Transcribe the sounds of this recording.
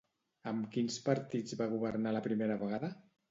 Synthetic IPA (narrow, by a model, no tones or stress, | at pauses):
əmkinspəɾt̪id͡zβaɣuβəɾnaləpɾimeɾəβəɣaðə